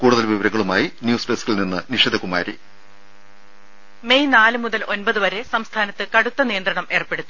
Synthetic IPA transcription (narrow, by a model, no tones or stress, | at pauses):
kuːɽuðɐlʋiʋɐɾɐŋːɐɭumaːjinjuːsbeːskilninːɨniʂed̪ʱɐkuma̰ːɾḭ | me̞jnaːlɨmuðɐlʔo̞nbɐðɨʋɐɾesɐmst̪ʰaːnɐt̪ːɨkɐɽut̪ːɐnijɐnd̪ɾɐɳɐme̞ːrpe̞ɽut̪ːu